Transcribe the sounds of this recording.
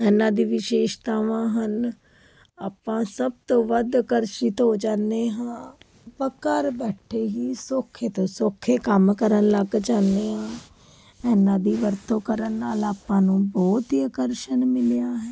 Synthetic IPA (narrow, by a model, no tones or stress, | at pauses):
ɛːnãːd̪iːʋɪʃeːʃt̪aːʋãːɦən | aːpːãːsəb̚t̪õːʋəd̪kəɾʃiːt̪ɦoːd͡ʒãːnd̪eːɦãː | pəkəɾbɛːʈʰeːɦiːsokʰeːt̪õːsokʰːeːkəmkəɾənləɡd͡ʒaːnd̪eːɦãː | ɛːnãːd̪iːʋəɾt̪õːkəɾənːaːlaːpːãːnũːbɔːt̪iəkəɾʃənmɪljaːɦɛː